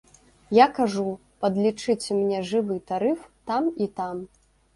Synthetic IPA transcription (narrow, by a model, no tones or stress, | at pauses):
jakaʐu | pɐd̪lʲit͡ʂɨt͡sʲɛmnʲɛʐɨvɨt̪aɾɨft̪amit̪am